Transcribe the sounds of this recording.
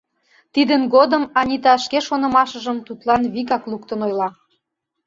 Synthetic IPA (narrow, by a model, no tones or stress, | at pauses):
t̪id̪ənɡod̪əmɑnʲit̪ɑəʃkeʃonə̆mɑʃə̆ʒəmt̪ut̪lɑnβiɣɑklˠukt̪ənojlɑ